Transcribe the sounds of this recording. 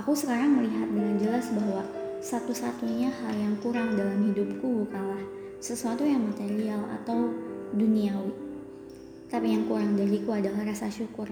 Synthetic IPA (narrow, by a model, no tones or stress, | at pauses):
akusəkaɾaŋməliɦat̪̚dəŋand͡ʒəlasbaɦwa | sat̪usat̪uɲahaljaŋkuɾaŋdalamɦidup̚kubukanlah | səsuat̪ujaŋmat̪eɾiala̰t̪awduniawi | t̪apijaŋkuɾaŋdaɾikuadalahrasaʃukʊr